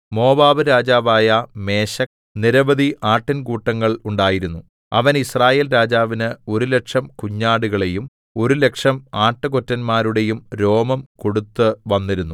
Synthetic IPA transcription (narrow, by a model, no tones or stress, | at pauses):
mo̞ːbaːbɨɾaːd͡ʑaːʋaːjɐme̞ːɕɐ | niɾɐbɐd̪iʔaːʈːinkuːʈːɐŋːɐɭuɳɖaːjiɾunːu | ɐ̰ʋɐnisraːje̞ːlɾaːd͡ʑaːʋinɨo̞ɾule̞kʂɐmkuɲːaːɽuɣɐɭe̞jum | o̞ɾule̞kʂɐmaːʈːɨkotːɐnmaːɾuɽe̞jumɾo̞ːmɐmko̞ɽut̪ːɨʋɐnːiɾunːu